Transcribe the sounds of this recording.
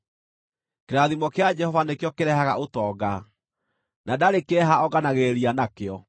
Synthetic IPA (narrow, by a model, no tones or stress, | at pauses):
keɾaðimɔkead͡ʒɛhɔvanekjɔkeɾɛhaɣa̰ʔotɔːɡa | nadaɾekeɛɦaɔɣanaɣeɾianakeɔ